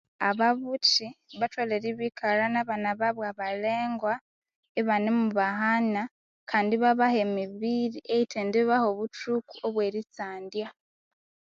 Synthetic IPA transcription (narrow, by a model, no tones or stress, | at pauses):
aβaβut͡ʃiβatwaleɾiβikʰaɾanaβanaβaβwaβale̞ːŋɡwa | eβanemuβaɦana | kʰaːndiβaβahemiβiːɾiʔeitʰendiβaho̞βutukuoβwe̞ːɾit͡saːndja